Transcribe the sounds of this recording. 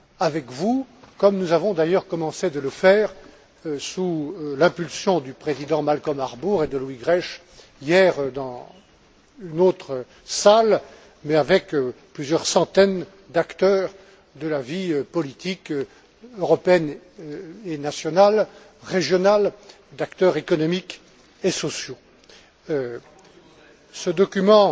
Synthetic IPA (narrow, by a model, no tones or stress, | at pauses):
avɛkvukɔmnuzavɔ̃d̪ajœʁkɔmɑ̃sed̪ələfɛːʁ | sulɛ̃pylsjɔ̃d̪ypχezid̪ɑ̃malkɔmaʁbuʁed̪əlwiɡʁɛʃ | ijɛʁd̪ɑ̃ | ynot̪χə | sal | mɛavɛkøplyzjœʁsɑ̃t̪ɛn | d̪akt̪œʁ | d̪əlaviøpɔlit̪ikø | øʁɔpeɛn | enasjɔnal | ʁeʒjɔnal | d̪akt̪œʁekɔnɔmik | esɔsjo | səd̪ɔkʲymɑ̃